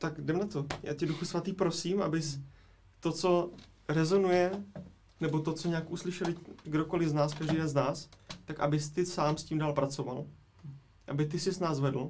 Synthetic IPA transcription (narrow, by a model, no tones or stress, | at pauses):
t̪akdɛmnat̪oja̰ːcɛduxusvat̪iːpɾo̞siːmʔa̰bɪs | t̪o̞t͡so̞ | ɾɛzo̞nujɛ | nɛbot̪o̞t͡soɲɛaːkʔuslɪʃɛlɪɡdoko̞lɪznaːskaʒdijdɛnznaːst̪akʔa̰bɪst̪ɪsaːmsciːmdaːlpɾat͡so̞val | ʔabɪt̪ɪsɪsnaːzvɛdl̩